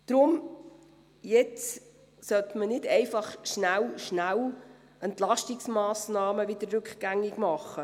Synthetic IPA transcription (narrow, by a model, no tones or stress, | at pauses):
d̪̥ɾʊm | jɛt͡s | sœt̪mənɪdɛɪfɑχʃnæwʃnæw | ɛntlɑʃtɪksmɑːsnɑːməʋɪd̪əɾːʉkχɡ̥æŋːɪɡmɑχːə